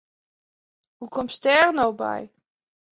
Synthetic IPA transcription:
hukɔmstɛrnowbɛ̰j

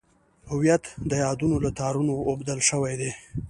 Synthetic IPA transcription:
hʊwijat̪d̪əjɑd̪unolat̪ɑɾunoːbd̪əlʃəwajd̪e

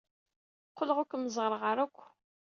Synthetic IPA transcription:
qːəlʁʊkʷməzˤʁəɾˤʁaɾækʷː

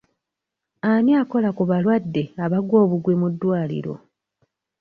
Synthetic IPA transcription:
aniako̞lakuβalwadːe̞aβaɡwo̞ːβuɡwemudːwaːlḭɾo̞̰

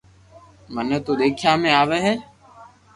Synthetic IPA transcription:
mənət̪uːɗ̪eːkʰjaːmẽaːʋeːɦeː

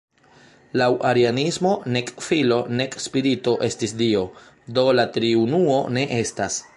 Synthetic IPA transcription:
lawʔaɾianismo̞ne̞kfilo̞ne̞kspiɾito̞ʔe̞stisdio̞ | do̞latɾiunuo̞ne̞ʔe̞stas

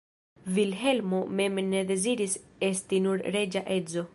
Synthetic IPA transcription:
vilɦe̞lmo̞me̞mne̞d̪e̞ziɾise̞stinuɾɾe̞d͡ʒaʔe̞zo̞

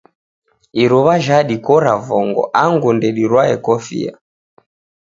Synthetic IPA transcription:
iɾɔβaʒaɗikɔɾavɔŋɡɔ̰ʔaŋɡundɛɗiɾwaɛkɔfḭa̰

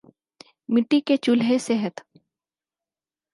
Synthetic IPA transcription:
mɪʈːiket͡ʃʊlɦesɛɦət̪

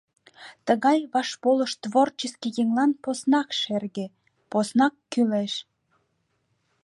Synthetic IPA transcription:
t̪əɣɑjβɑʃpoləʃt̪βort͡ɕəskijeŋlɑnposnɑkʃerɣe | posnɑkːyleʃ

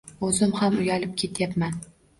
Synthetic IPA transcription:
ɵzɪmhamʊjalɪp̚kʲʰe̞t̪japman

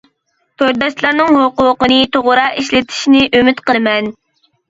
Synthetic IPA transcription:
t̪ʰøɾd̪ɑʃlˠɑɾnɨŋɦoqʊqənɨt̪ʰoʁʊɾɑiʃlɪt̪ʰi̥ʃnɪʔymɪt̪qəlˠɨmɛn

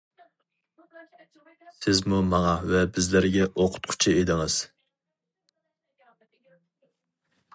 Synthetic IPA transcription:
sɪzmumɑŋɑvɛbɪzlɪɾɡʲɛʔoqʰʊ̥t̪̚qʰʊ̥t͡ʃʰied̪ɪŋɨz̥

